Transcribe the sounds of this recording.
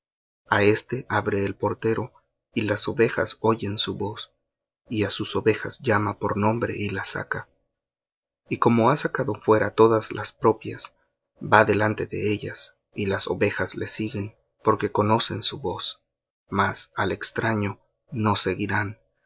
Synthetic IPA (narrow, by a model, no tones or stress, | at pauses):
ae̞st̪e̞ʔaβɾe̞ːlpo̞ɾt̪e̞ɾo̞ | ilaso̞βe̞xa̰so̞ʝe̞nsuβo̞s | iasuso̞βe̞xazʝamapo̞ɾnõ̞mbɾe̞̰ʔilasa̰ka | iko̞mo̞asakaðo̞fwe̞ɾat̪o̞ðazlʔaspɾo̞pjas | baðe̞lant̪e̞ðe̞̰e̞ʎas | ilaso̞̰βe̞xazle̞siɣe̞n | po̞ɾke̞ko̞no̞se̞nsuβo̞s | masale̞kst̪ɾaɲo̞ː | o̞se̞ɣiɾan